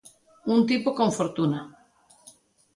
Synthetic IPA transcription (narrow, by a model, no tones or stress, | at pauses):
unt̪ipokõɱfoɾt̪una